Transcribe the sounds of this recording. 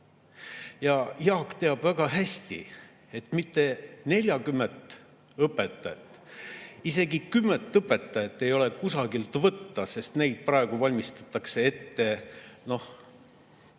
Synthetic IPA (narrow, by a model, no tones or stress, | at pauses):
jɑjɑːkt̪e̞ɑb̥væɡ̥ɑɦæsʲt̪ḭ | e̞t̪mit̪ːe̞ne̞lʲjɑɡymːent̪ˑ | ɤpːe̞t̪ːɑjɑt̪ːˑise̞ɡikymːent̪ːˑɤpːˑe̞t̪ːˑɑjɑt̪ːe̞jo̞le̞kusɑɡilt̪vɤt̪ːɑse̞st̪ne̞jd̪̥̚prɑe̞ɡ̥uvɑlʲmist̪ɑ̥t̪ːˑɑkse̞e̞t̪ːe̞no̞h